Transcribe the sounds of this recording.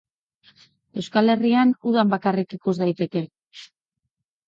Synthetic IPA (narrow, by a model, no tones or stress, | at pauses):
e̞wskale̞rianuðambakarikikuzd̪ajt̪e̞ke̞